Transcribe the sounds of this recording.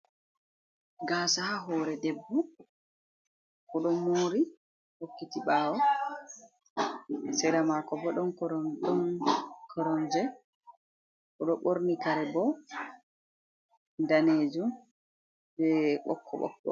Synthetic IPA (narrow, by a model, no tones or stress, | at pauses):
ɡaːsahaɦɔɾɛdɛbːɔ | kɔɗɔmoːɾi | hokːitiɓaːwɔ | sɛɾamakɔbɔɗɔnkɔɾɔɗɔnkʰɔɾɔnd͡ʒɛ | kɔɗɔɓoɾnikaɾɛbɔ | daneːd͡ʒum | bɛɓɔ̰kʰːɔɓɔ̰kɗɔ̰